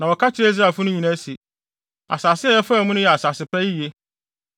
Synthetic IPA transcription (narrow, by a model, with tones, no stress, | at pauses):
nã˨wɔ˨kʰa˦t͡ɕʰɪ˦ɾe˦i˦s̬ɾa˦˨fʊ˦nʊ̃˦ɲĩ˨nã˦se˨ | a̰˨saː˨sɪ˦ɛ˦jɛ˦fa˦˨mũ˦nʊ̃˦jɛ˨a˨saː˨sɪ˨pɛ˦ji˦je˦